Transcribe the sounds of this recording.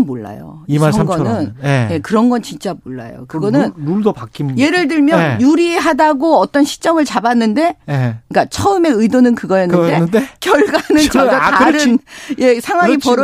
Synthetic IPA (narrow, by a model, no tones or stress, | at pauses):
mmoɭːa̰jo̰iʌŋɡʌnɯneje̞kɯɾʌnɡʌnt͡ɕint͡ɕ͈amoɭːa̰jo̰kɯɡʌnɯnnuɭdopak͈imje̞ɾɯɭdɯɭmjʌjuɾieɦadaɡoʌt͈ʌnɕʰi̥t͡ɕ͈ʌmɯɭt͡ɕabanːɯnde̞jek͈at͡ɕʰʌɯme̞ɯidonɯnkɯɡʌjʌnɯndeɯndekjʌɭɡwanɯnkʌɡwaaɾɯnje̞sʰaŋwaŋipʌɾʌ